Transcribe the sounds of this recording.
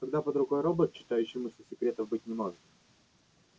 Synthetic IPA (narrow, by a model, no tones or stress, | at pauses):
k̪ɐɡd̪apəd̪ɾʊɡo̞jɾobət̪t͡ɕːɪ̥t̪ajʉɕːɪmʊsʲəsʲɪkɾʲe̞t̪əvbɨtʲnʲɪmoʐɨt̪̚